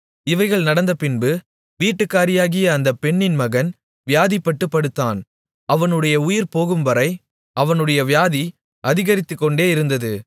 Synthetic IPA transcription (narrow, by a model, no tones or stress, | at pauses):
ɪʋɐɪɣɐɭnɐɽɐnd̪ɐpɪnbɯ | ʋiːʈːɯkːaːɾɪjaːɣɪjɐːnd̪ɐpɛɳːɪnmɐɣɐn | ʋɪjaːðipːɐʈːɯpːɐɽɯt̪ːaːn | ɐʋɐnɯɽɐjɐʊjɪɾpoːɣɯmʋɐɾɐɪ | ɐʋɐnɯɽɐjɐʋɪjaːði | ɐðɪɣɐɾɪt̪ːɯkːɔɳɖeːɪɾɯnd̪ɐðɯ